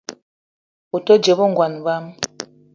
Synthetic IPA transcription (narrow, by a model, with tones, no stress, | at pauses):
o˨to˦d͡ʒe˨βɔ˦ŋɡwa˨n˨va˦m